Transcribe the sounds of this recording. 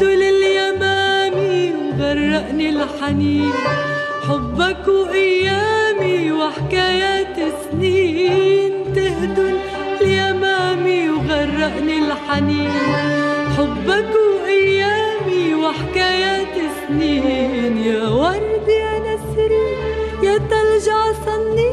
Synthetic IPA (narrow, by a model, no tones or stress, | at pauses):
d̪ʊlɪljamaːmiwɣɑrˤːɑʔnilħaniːn | ħʊbːakʔajːaːmiwɪħɪkaːjaːt̪sniːnt̪ɪhd̪ʊl | ljamaːmijɣɑrˤːɑʔnilħaniːnħʊbːakʊʔajːaːmiwɪħakaːjaːt̪ɪsninjaːwɑɾˤd̪ʔanasɾijat̪alʒɑʕsɑnːi